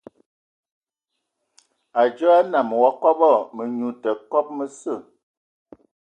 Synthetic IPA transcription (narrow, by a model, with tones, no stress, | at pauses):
a˨d͡ʒə˦a˦na˨m˨wa˦kɔ˦bɔ˦˨mə˨ɲu˨tə˨kɔ˦p̚mə˦sə˦˨